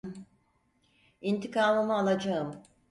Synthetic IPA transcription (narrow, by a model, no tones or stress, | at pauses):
int̪ʰikʰaːmɯmɯalˠad͡ʒaɯm